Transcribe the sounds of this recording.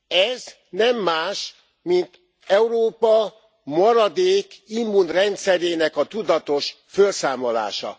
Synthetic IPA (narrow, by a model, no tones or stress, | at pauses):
ɛz | nɛmːaːʃ | mint̪ | ɛuɾoːpɒ | mɒɾɒd̪eːkimːunrɛnt̪sɛɾeːnɛkɒt̪ud̪ɒt̪o̞ʃ | følsaːmo̞la̰ːʃɒ̰